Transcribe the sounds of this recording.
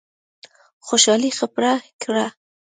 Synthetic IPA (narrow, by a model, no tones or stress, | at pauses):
xoʃɑlixapɾakɾa